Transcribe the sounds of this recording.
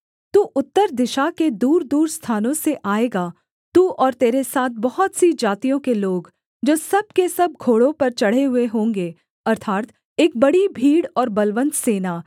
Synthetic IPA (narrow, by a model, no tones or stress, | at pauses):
t̪uːʔʊt̪ːəɾd̪ɪʃaked̪uːɾd̪uːɾst̪ʰaːnõseʔaːeːɡaː | t̪uːʔɔːɾt̪eːɾesaːt̪̚ʰbɐɦɔt̪sid͡ʒaːt̪ijõkeloːɡ | d͡ʒoːsɐb̚kesɐb̚ɡʰʱoːɽõpɐɾt͡ʃɐɽ̤eɦʊeɦõːŋɡeː | ɐɾt̪ʰaːt̪ | eːk̚bɐɽibʱiːɽɔːɾbɐlʋə̃nd̪seːnaː